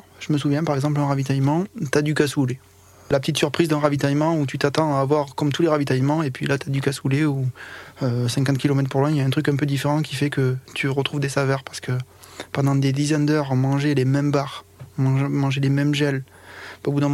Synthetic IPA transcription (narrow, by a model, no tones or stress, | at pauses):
ʒ̥əməsuvjɛ̃paʁɛɡzɑ̃plɛ̃ʁavit̪ajmɑ̃t̪yad̪ykasule | lapət̪it̪syʁpχizd̪ɛ̃ʁavit̪ajmɑ̃ut̪yt̪at̪ɑ̃aːvwaʁkɔmt̪uleʁavit̪ajmɑ̃epɥilat̪yad̪ykasuleuøsɛ̃ŋkɑ̃t̪kʲilɔmɛt̪χəpuʁlwɛ̃ljaɛ̃t̪χykɛ̃p̬ød̪ifeʁɑ̃kʲifɛkət̪ʰyʁət̪χuvd̪esavɛʁpaʁsə̥kə | pɑ̃d̪ɑ̃d̪ed̪izɛnd̪œʁɔ̃mɑ̃ʒelemɛmbaʁɔ̃mɑ̃ʒmɑ̃ʒelemɛmʒɛl | obud̪ɛ̃m